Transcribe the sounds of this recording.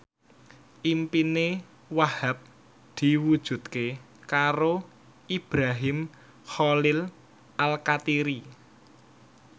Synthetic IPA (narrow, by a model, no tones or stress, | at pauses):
ʔimpine | wahap̚ | d̪̥i̤wud̥ʒ̥ṳt̪ke | kaɾo | ʔib̥ɾaɦɪm | xɔlɪl | ʔalkat̪iɾi